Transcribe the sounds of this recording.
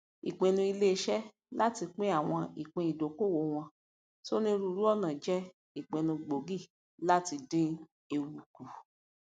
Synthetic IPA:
ḭ˨k͡pẽ˨nũ˧i˧le˦˧˦ʃɛ˦ | la˦ti˧k͡pĩ˦a˦˨w̃ɔ̃˧i˨k͡pẽ˧i˨do˨˦ko˦˨wo˨˦w̃ɔ̃˧ | so˦nĩ˦˧ɾu˧˦˨ɾu˦ɔ˦˨nã˨d͡ʒɛ˦ | i˨k͡pẽ˨nũ˧ɡ͡bo˨ɡi˦˨ | la˦ti˧dĩ˦ | e˧wu˧ku˨

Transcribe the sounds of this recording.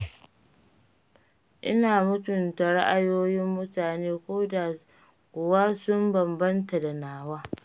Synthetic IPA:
ʔɪ̰˦naː˨mʊ˦tʊ˨nta˨ɽa˦ʔa˦˨joː˦jɪ˦mːʊ˦taː˨neː˦kʷoː˦da˨ | kʷʊ˨waː˦sʊ˦mbɐ˨mbɐ˦nta˨da˨naː˨waː˦

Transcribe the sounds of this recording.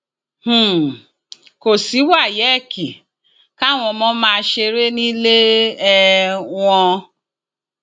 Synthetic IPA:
h̩˨ | ko˨si˨˦wa˦˨jɛ˨˦˨ki˨ | ka˦˨w̃ɔ̃˧mɔ̃˦mãː˦˧ʃe˧ɾe˦nĩ˦le˦ɛ˦w̃ɔ̃˧

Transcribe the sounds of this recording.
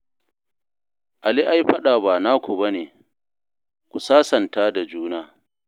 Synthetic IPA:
ʔa˨li˦ʔa˦jɸɐ˦ɗaː˨baː˨na˦kʷu˨bɐ˦neː˨ | kʷu˨saː˦sɐ˨ntaː˦da˨d͡ʒuː˦naː˦

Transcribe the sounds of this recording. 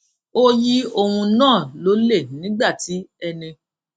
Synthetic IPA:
o˦ji˦o˧wũ˧nãː˦˨lo˨˦le˦˨nĩ˨˦ɡ͡ba˦˨ti˨˦ɛ˧nĩ˧

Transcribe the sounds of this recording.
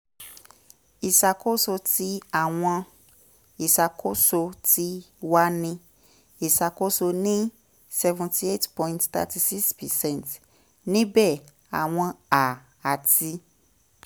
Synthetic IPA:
i˨sa˨ko˦so˧ti˧˦a˦˨w̃ɔ̃˧ | i˨sa˨kʰo˦so˧ti˧˦wa˦nĩ˧ | i˨sa˨ko˦so˧nĩ˦ | sɛ˧vũ˨ti˧e˦˨tpɔ̃˧ĩntt̪a̰˧ti˧si˦kspɛ˨sɛ̃˦˨nt | nĩ˦bɛ˦˨ | a˨w̃ɔ̃˧a˨ | a˨ti˧

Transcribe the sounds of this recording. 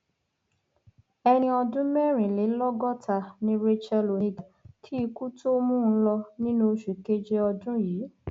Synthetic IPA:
ɛ˧ñĩ˧ɔ˧dũ˦mɛ˦˨ɾ̃ĩ˨le˨˦lɔ˦ɡɔ˦tʰa˧nĩ˦ɾi˦t͡ʃɛ˧lo˨i˦ɡtʰi˦i˧ku˦to˦mũ˦˧˦lɔ˧nĩ˦nũ˦o˧ʃu˨ke˦d͡ʒe˧ɔ˧dũ˦jiː˨˦

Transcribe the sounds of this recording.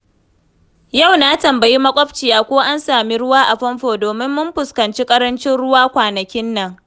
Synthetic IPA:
ja˦˨wnaː˦tɐ˨mbɐ˨ji˦mɐ˦kʷʼɔ˦ɸt͡ʃi˨jaː˨˦kʷoː˦ʔa˦nsaː˨mi˦ɽʊ˦waː˦ʔa˨ɸɐ˦mɸoː˨doː˨mɪ˦mːʊ˦mɸʊ˨skɐ˨nt͡ʃi˦kʼɐ˦ɾɐ˦nt͡ʃɪ˦nɽʊ˦waː˦kʷaː˨nɐ˨kʲɪ˦nːɐ˦˨ŋ

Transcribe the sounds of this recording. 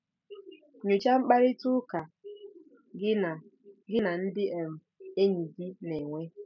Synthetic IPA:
ɲu˨t͡ʃa˦ŋ͡m̩˦k͡pa˦ɾɪ˦tʊ˦ka˨˦˨ | ɡɪ˦na˨n̩˦dɪ˦ʔe˨m̩˨ | e˦ɲi˨ɡi˦ne˨ŋʷe˦

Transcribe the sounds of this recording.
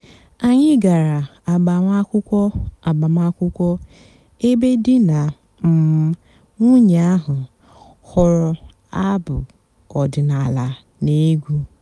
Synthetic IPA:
a˨ɲɪ˦ɡa˨ɾa˨a˨ɡ͡ba˨ŋʷa˦kʷʊ˦kʷɔ˦a˨ɡ͡ba˨m˦a˦kʷʊ˦kʷɔ˦ | e˦be˦dɪ˦na˨ | m̩˨˦ | ŋʷu˦ɲ˨a˦ɦʊ˨ | hʊ˨ɾʊ˨ | a˦bʊ˨ | ɔ˨dɪ˨na˨la˨ | ne˦ɡʷu˦

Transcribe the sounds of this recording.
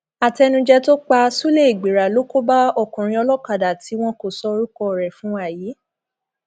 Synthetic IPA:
a˨tɛ˧nũ˧d͡ʒɛ˦to˦k͡pa˧su˦le˦˨i˨ɡ͡be˨ɾa˨lo˨˦ko˦ba˦ɔ˦˨kũ˨ɾ̃ĩ˧ɔ˧lɔ˦ka˨da˨ti˨˦w̃ɔ̃˦ko˨sɔ˧ɾu˦kɔ˧˨ɾɛ˨fũ˨˦a˦˨jiː˨˦

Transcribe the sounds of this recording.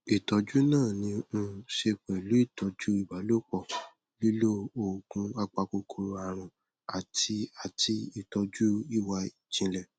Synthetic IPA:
i˨tɔ˨˧d͡ʒu˦nãː˦˨nĩ˧ũ˧ʃe˧k͡pɛ˨lu˨˦i˦˨tɔ˨˦d͡ʒu˦i˦˨ba˨˦lo˦k͡pɔ˧˨ | li˦lo˦o˨kũ˧˦a˧k͡pa˧ko˧kʰo˨˧˦ɾa˨ɾ̃ũ˧ | a˨tʰi˧a˨tʰi˧i˨tɔ˧d͡ʒu˦i˦˨wa˧i˨d͡ʒĩ˧˦lɛ˨

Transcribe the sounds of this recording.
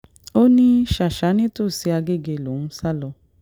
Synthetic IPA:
o˦nĩ˦ʃa˨ʃa˨˦nĩ˦to˦˨si˧a˧ɡe˦˨ɡe˧˨lo˨nũ˦sa˦lɔ˧

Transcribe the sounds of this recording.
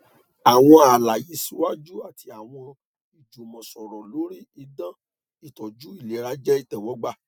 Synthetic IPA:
a˨w̃ɔ̃˧a˨la˨ji˨˦si˦wa˦d͡ʒu˦a˦˨ti˧a˨w̃ɔ̃˧ | i˨d͡ʒo˨mɔ̃˨sɔ˨ɾɔ˨lo˨˦ɾi˦i˧˦dã˦ | i˦˨tɔ˨d͡ʒu˦i˦˨le˨˦ɾa˨˦d͡ʒɛ˦i˦˨tɛ˨wɔ˨˦ɡ͡ba˦˨

